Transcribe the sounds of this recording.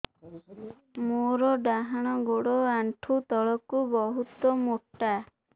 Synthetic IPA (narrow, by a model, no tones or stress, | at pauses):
moɾɔɖaɦaɽ̃ɔɡoɽɔaɳʈʰut̪ɔɭɔkubɔɦut̪ɔmuʈːa